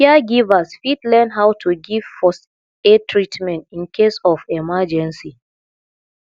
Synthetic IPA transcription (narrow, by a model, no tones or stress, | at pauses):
aɡivasfidlɛnɦawtʰuɡivfɔs | etʰɹitmɛ̃ntĩnkʰesɔfɛmad͡ʒɛ̃nsi